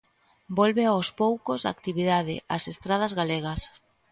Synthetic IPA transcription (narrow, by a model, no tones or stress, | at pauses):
bolβeawspowkozða̰kt̪iβiðaðɪ̰ʔasest̪ɾað̞azɣaleɣɐs